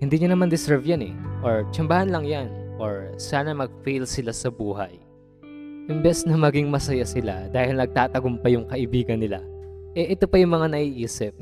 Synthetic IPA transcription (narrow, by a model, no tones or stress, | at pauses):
hɪnd̪iːɲanɐmand̪ɪsɛɹvjanɛ̰ʔo̞ɹt͡ʃɐmbaːhɐnlɐŋjanʔo̞ɹsaːnɐmɐɡ̚fejlsɪlasɐbuːɦɐj | ʔɪmbɛsnɐmɐɡiŋmɐsɐjasɪlad̪aːhɪlnɐɡ̚t̪aːt̪ɐɡompɐjʊŋkɐʔɪbiːɡɐnːɪla̰ʔɛʔɛt̪o̞pɐjʊŋmɐŋanɐʔiːʔiːsɪp̚